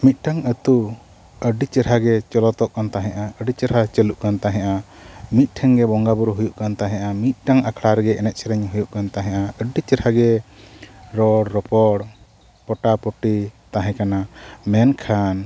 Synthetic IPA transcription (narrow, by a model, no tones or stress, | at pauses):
mit̪̚ˀʈaŋət̪u | əɖit͡ʃəɾɦaɡɛt͡ʃɔlɔt̪ɔʔkant̪aɦɛ̃ʔaəɖit͡ʃəɾɦat͡ʃəluʔkant̪aɦɛ̃ʔamit̪̚ˀʈʰɛŋɡɛbɔŋɡabuɾɦujuʔkant̪aɦɛ̃ʔamit̪̚ˀʈaŋakʰlaɾɡɛɛnɛt̪̚ˀsʰɛɾɛɲɦujuʔkant̪aɦɛ̃ʔaəɖit͡ʃəɾhaɡɛ | ɾɔɽɾɔpɔɽ | pɔʈapɔʈit̪aɦɛ̃kanamɛnkʰan